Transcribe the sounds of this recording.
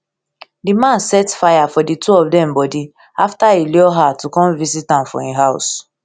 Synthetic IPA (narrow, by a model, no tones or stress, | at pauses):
dimãnsɛtfajafɔditʰuɔfdɛ̃mbɔdi | aftailɔɦatukɔ̃nvisitãmfɔ̰̃ĩɦaʊs